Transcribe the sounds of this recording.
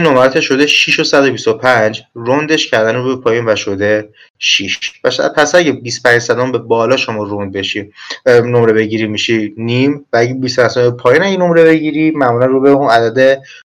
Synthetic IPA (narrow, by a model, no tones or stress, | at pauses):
nɒmæɾæt̪ʰeʃod̪eʃiʃo̞sæd̪obist̪opʰæɲd͡ʒrond̪e̞ʃcʰæɾd̪ænɾubepʰɒːjinvæʃod̪e | ʃiʃvæʃpʰæsæɟebist̪pʰæɲd͡ʒsæd̪ɔmbebɒːlɒʃo̞mɒːrond̪̚be̞ʃinomɾe̞be̞ɟiɾimiʃinimvææɟebispʰænsmbepʰɒːjiːnæjeno̞mɾeβe̞ɟiɾimæmulænrubeunæd̪æd̪e̞